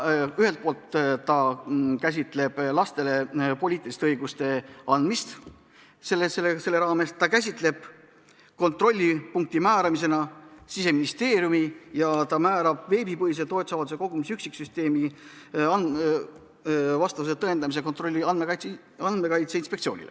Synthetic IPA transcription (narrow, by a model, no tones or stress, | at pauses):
yɦe̞lt̪̚poːlt̪t̪ɑkæs̬ʲit̪ˑle̞b̥lɑst̪e̞le̞po̞lʲiːt̪ːˑilist̪eɤjɡust̪e̞ɑnd̪̥mist̪ | selːeselːese̞lːe̞ɾɑːme̞st̪ːɑkæsʲit̪le̞b̥ | ko̞nt̪ro̞lʲːipuŋk̚t̪imæːɾɑmis̬e̞nɑsise̞minist̪e̞ːɾjumijɑt̪ɑmæːɾɑb̥ve̞ːbipɤɦis̬et̪o̞ːt̪sɑvɑt̪u̥se̞ko̞ɡ̥umisyksikːsyst̪e̞ːmi | ɑn | vɑst̪ɑvuset̪ɤend̪ɑmis̬e̞ko̞nt̪ro̞lʲːiɑnmekɑjt̪ | ɑnd̪me̞kɑjt̪seinspekt̪sio̞ːnḭle